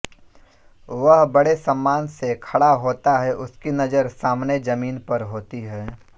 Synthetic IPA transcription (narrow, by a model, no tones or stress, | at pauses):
ʋəɦbɐɽesɐ̃mːaːnsekʰɐɽaɦoːt̪aɦɛʔʊskinɐd͡ʒəɾsaːmned͡ʒɐmiːnpɐɾɦoːt̪iɦɛː